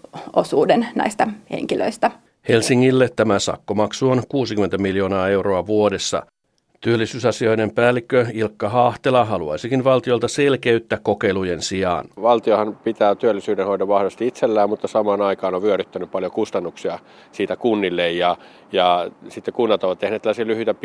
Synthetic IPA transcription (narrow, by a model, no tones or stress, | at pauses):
ʔo̰suːdennæ̰ist̪ɑhḛŋkilø̰ist̪æ | he̞lsiŋːilːet̪t̪ːæmæsɑ̰kːomɑksuonkuːsikyme̞nt̪æmiljo̞ːnɑːe̞wro̞ɑʋuo̞de̞sːɑ̰ | t̪yølːisyːsɑsio̞jne̞mpæːlːikːøilkːɑɦɑːht̪elɑɦɑluɑ̰jsikinʋɑlt̪io̞lt̪ɑse̞lkeyt̪ːækkːo̞ke̞jluje̞nsiɑ̰ːnʋɑlt̪iohɑnpit̪æːt̪yølːisyːdenhoidɑʋʋɑhʋɑst̪iit̪selːæːmmut̪ːɑsɑmɑːnɑikɑːnoʋʋyøɾyt̪ːænyppɑljokust̪ɑnːuksiɑ | siːt̪ækunːilːejjɑ | jɑsit̪ːekunːɑt̪oʋɑt̪t̪ehneːt̪ælːæsiɑlyhyt̪æ